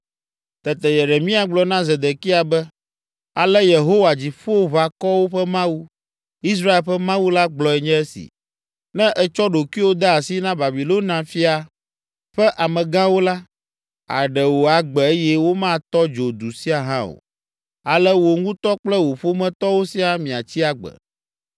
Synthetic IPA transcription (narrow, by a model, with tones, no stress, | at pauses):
t̪ɛ˨t̪ɛ˨je˨ɖe˨mĩ˦a˨ɡ͡blɔ˨nã˦zɛ˨d̪ɛ˨ki˦a˨bɛ˦ | a˨lɛ˦je˨ɦo˦wa˨d͡ʑi˨ɸo˦βa˨kɔ˦wo˦ɸɛ˦mã˦wu˦ | i˦s̬ɾa˦e˨lɸɛ˦mã˦wu˦la˦ɡ͡blɔ˨ɛ˨ɲɛ̃˦ɛ˦sḭ˨ | nɛ̃˦ʔɛ˦t͡ʃɔ˦ɖo˨ki˦wo˦d̪a˦a˨si˦nã˦ba˨bi˨lo˦nã˨fi˦a˨ | ɸɛ˦ʔa˨mɛ̃˨ɡã˦wo˦la˦ | a̰˨ɖɛ˨wo˨a˨ɡ͡bɛ˨e˦jɛ˦wo˦mã˦˨t̪ɔ˦d͡ʒo˨d̪u˨si˦a˨ɦã˦o̰˨ | a˨lɛ˦wo˨ŋũ˦t̪ɔ˦k͡plɛ˦wo˨ɸo˦mɛ̃˦t̪ɔ˦wo˦si˦a˦mĩ˨a˨t͡ɕi˦a˦ɡ͡bɛ̰˨